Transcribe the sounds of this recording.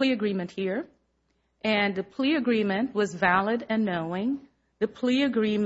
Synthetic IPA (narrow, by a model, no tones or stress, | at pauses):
liɨɡɹĩmɨ̃nʔ̚hiɹ | ʔɨ̃nðɨpʰl̥iɨɡɹĩmɨ̃nʔwʌzvælˠəɾɨ̃nːoʊɪ̃ŋ | ðɨpʰl̥iɨɡɹĩm